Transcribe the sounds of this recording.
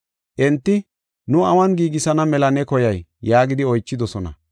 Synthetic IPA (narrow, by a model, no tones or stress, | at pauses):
ʔɛnt̪ːɪ | nʊɐwɐnɡiːɡɪsɐnɐmɛlɐnɛkɔjɐjːaːɡɪd̪ɪɔjt͡ʃːɪd̪ɔsɔnɐ̰